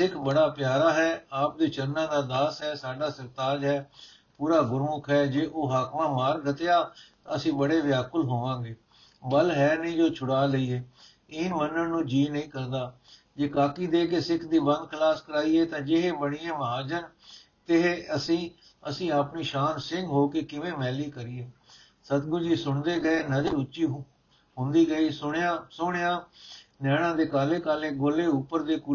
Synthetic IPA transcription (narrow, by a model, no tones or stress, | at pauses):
sɪkʰbəɽaːpjaːɾaːɦɛːaːp̚d̪iːt͡ʃəɾnãːd̪aːd̪aːsɦɛːsaːɖaːsəɾt̪aːd͡ʒɦɛː | puːɾaːɡʊɾmʊkʰɦɛːd͡ʒeːʔoːɦaːkmãːmaːɾɡət̪eːaːt̪ãəsĩːbəɽeːʋɪjaːkəlɦoːʋãːɡeː | bəlɦɛːnĩːd͡ʒoːt͡ʃʰʊɽaːləiːeː | ɪnmənːənnũːd͡ʒiːnəĩːkəɾnd̪aː | d͡ʒeːkaːkiːd̪eːkeːsɪkʰd̪iːbə̃nd̪̚kʰəlaːskəɾaːiːɛːt̪ãːd͡ʒɪɦeːbəɽ̃iːẽːməɦaːd͡ʒən | t̪ɪɦeːəsĩː | əsĩːaːpniːʃaːnsɪ̃ŋɡɦoːkeːkɪʋẽːmɛːliːkəɾiːeː | sət̪ɡʊɾd͡ʒiːsʊɳd̪eːɡəeːnəd̪iʊt͡ʃːt͡ʃʃiːɦ | ɦʊ̃nd̪iːɡəiːsʊɳjãːsʊɳjãːnɛːɽ̃ãːd̪eːkaːleːkaːleːɡoːleːʊpəɾd̪eːku